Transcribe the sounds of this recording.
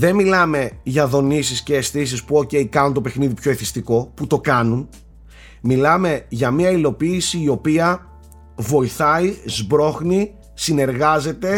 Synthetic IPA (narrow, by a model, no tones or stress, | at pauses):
ðe̞nmilɐme̞ʝɐðo̞nisisce̞ːst̪is̬ispuo̞ce̞ikɐnunt̪ope̞xniðipço̞iθist̪iko̞put̪o̞kɐnun | milɐme̞ʝɐmiɐilo̞piːsiːo̞piɐ | vo̞iθɐizbɾo̞xni | sine̞ɾɣɐze̞t̪e̞